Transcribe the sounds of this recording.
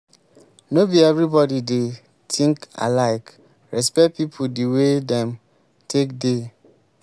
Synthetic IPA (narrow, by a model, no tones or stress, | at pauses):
nobiɛvɹibɔdide | tʰĩŋka̰laɪk | ɹɛspɛt̚pipʰudiwedɛ̃m | tʰekde